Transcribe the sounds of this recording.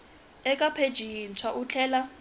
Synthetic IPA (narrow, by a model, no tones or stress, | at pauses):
ɛkʼapʰed̥ʒ̥ʱint͡sʰwaʔut͡ɬʰɛːla